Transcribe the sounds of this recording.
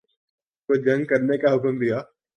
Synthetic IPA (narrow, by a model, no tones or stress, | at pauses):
kod͡ʒɐ̃ŋɡ̚kɐɾnekaɦʊkmd̪ijaː